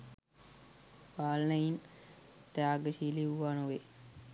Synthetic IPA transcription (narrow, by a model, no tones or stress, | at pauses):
ʋaːlnəint̪aaɡəʃiliuʋanuʋe